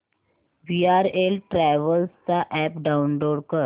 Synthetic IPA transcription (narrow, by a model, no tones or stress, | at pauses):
ʋiaɾelʈɾɛʋəlst͡saʔɛpɖaunloɽkəɾ